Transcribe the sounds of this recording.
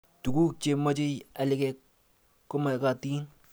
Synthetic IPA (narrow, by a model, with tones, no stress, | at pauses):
tu˨ku˦k̚t͡ʃe˨mɔ˦t͡ʃe˦ja˨lɪ˨kɛkː | ɔ˦ma˨ka˨ti˦n